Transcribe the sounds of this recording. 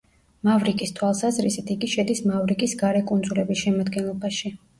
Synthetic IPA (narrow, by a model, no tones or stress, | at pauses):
mavɾikʼist̪ʰwalˠsazɾisit̪ʰiɡiʃɛd̪ismavɾikʼisɡaɾɛkʼund̪zulɛbisʃɛmad̪ɡɛnlˠɔbaʃi